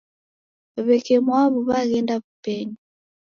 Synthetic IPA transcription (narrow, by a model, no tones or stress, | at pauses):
aβɛkɛmwaβuβaɣɛndaβupɛɲi